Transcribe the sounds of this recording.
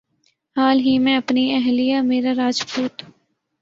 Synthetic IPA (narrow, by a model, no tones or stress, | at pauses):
haːlɦimɛ̃ɐpniɛɦlijameːɾaɾaːd͡ʒpuːt̪